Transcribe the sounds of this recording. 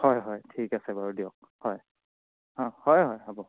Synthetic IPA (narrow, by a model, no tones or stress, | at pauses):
hɔjɦɔjtʰikasɛbaɹudiɔk̚ | hɔj | hɔ̃hɔjɦɔjabɔ